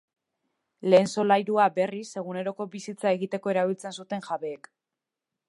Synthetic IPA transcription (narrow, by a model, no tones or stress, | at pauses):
le̞ːnso̞lajɾuabe̞rise̞ɣ̞une̞ɾo̞ko̞βisit͡sae̞ɣit̪e̞ko̞e̞ɾaβ̞ilt͡se̞nsut̪e̞ŋʝaβeːk